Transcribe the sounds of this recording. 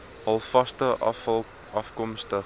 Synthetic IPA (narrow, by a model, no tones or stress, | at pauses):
hɐlˠfɐstəʔ | ɐfkɔmstə